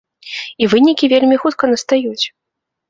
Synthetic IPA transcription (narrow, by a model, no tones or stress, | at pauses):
ivɨnʲikʲivʲelʲmʲixut̪̚kɐnɐst̪ajut͡sʲ